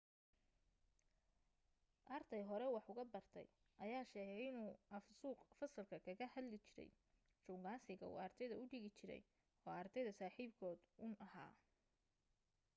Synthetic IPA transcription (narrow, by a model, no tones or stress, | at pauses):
ʔɐrt̪ʰɛjɦɔɾɛwɑħʊɣɐbɐrt̪ʰɛ̰j | ʔɐjaːʃɛːɣɛjɪnuːʔɐfsuːqfɐsɐlkʰɐkʰɐɣɐhɐd̪lɪt͡ʃɪɾɛ̰j | t͡ʃʊŋɡaːsɪɣɐṵːɐrt̪ʰɛjðɐʊɖɪɣɪt͡ʃɪɾɛ̰j | ɔːɐrd̪ɛjðɐsaːħiːbkʰɔːd̪ʊnʔɐɦa̰ː